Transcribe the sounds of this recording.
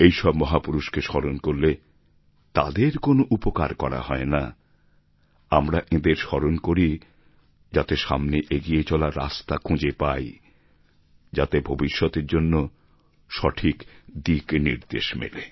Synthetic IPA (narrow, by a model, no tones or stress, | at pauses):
ejʃɔbmɔɦapuɾuʃkeʃɔɾonkoɾle | t̪ad̪eɾkonoʔupoka̰ɾkɔɾa̰ɦɔena | amɾaʔed̪eɾʃɔɾonkoɾi | d͡ʑat̪eʃamneʔeɡijet͡ɕɔlaɾːa̰st̪akʰũd͡ʑepaj | d͡ʑat̪ebʱobiʃːɔt̪eɾd͡ʑonːo | ʃɔʈʰikd̪iknḭɾd̪eʃmḛle